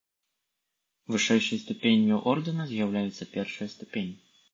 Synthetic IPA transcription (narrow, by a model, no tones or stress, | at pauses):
vɨʂɛjʂɨjst̪upʲenʲjuʔɔrd̪ɨnɐzʲjawlʲajut̪sːɐpʲɛrʂɨjɐst̪upʲenʲːi